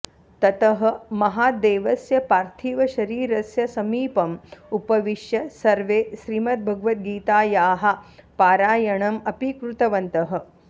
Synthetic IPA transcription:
t̪ɐt̪ɐɦɐ̆mɐɦaːd̪eːʋɐsjɐpaːɾt̪ʰiːʋɐʃɐɾiːɾɐsjɐsɐmiːpɐmupɐʋiʂjɐsɐɾʋeːʃɾiːmɐt̪̚bʱɐɡʋɐt̪̚ɡiːt̪aːjaːɦɐpaːɾaːjɐɳ̃ɐmɐpikɾut̪ɐʋɐnt̪ɐɦɐ̆

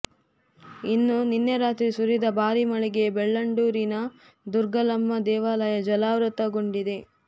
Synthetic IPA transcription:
inːuninːjɐɾaːt̪ɾisuɾid̪ɐbʱaːɾimɐɭiɡebeɭːɐɳɖuːɾinɐ | d̪uɾɡɐlɐmːɐd̪ɛːʋaːlɐjɐd͡ʒɐlaːʋɾut̪ɐɡoɳɖid̪e̞

